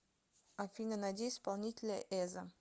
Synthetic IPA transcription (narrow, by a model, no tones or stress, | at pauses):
afʲinənadʲejspalˠnʲitʲɪlʲəʔɛzə